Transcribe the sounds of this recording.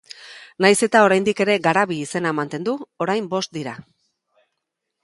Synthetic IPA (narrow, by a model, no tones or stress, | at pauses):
najse̞t̪ao̞ɾajnd̪ike̞ɾe̞ɡaɾaβiːse̞namant̪e̞nd̪uo̞ɾajmbo̞st̪̚d̪iɾa